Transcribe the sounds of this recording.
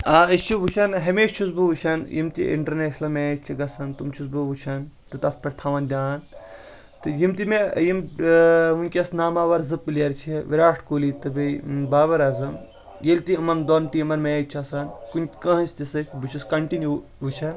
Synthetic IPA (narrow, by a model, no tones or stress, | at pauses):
aːist͡ʃʰibut͡ʃʰɐnɦɐmeːʃt͡ʃʰusbuʋut͡ʃʰɐnjḭmt̪ḭʔḭɳʈɐɾneːʃlɐmeːt͡ʃʰiɡɐsɐnt̪umt͡ʃʰusbubut͡ʃʰɐnt̪ɨt̪ɐsʰpɐʈʲt̪ʰɐʋɐnd̪ʲaːn | t̪ɨjimt̪imejim | unʲkʲɐsnaːmaːʋɐɾzɨpːiljɐɾt͡ʃʰiʋiɾaːʈʰkoːlit̪ɨbɐbaːbɐɾɐzɐm | jelʲt̪iɐmɐnd̪oːnʈimɐnmeːt͡ʃʰɐsɐnkunʲkɐ̃ɦɐ̃nsʲt̪ʲisɐkʲbut͡ʃʰuskɐɳʈinjuʋut͡ʃʰɐn